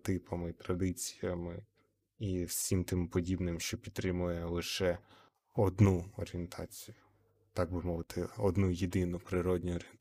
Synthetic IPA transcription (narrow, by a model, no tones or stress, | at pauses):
t̪ɪpɐmit̪ɾɐd̪ɪt͡sʲi̥jɐmɪ | iwsʲimt̪ɪmpɔdʲibnɪmʃt͡ʃɔpʲit̪t̪ːɾɪmʊjɛlˠɪʃɛ | ɔd̪nuɔɾʲient̪ʰɑ̰t͡sʲijʊ | t̪ɑɡ̚bɪmɔʋɪt̪ʰɪɔd̪nujed̪ɪnʊpɾɪɾɔdʲnʲʊɔɾʲ